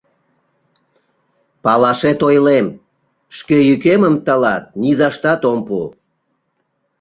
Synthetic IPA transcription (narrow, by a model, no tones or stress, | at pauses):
pɑlɑʃet̪ojlem | ʃkejykeməmt̪əlɑt̪̚nizɑʃt̪ɑt̪ompu